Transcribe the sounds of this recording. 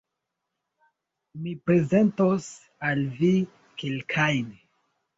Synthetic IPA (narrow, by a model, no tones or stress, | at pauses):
mipɾe̞ze̞ntos | alvi | kelkʰajn